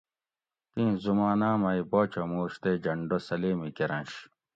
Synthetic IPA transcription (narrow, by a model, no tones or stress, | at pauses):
t̪ĩːzumaːnaːmɐiboːt͡ɕomuːɕt̪ed͡ʑɐɳɖosɐleːmikeɾɐ̃nɕ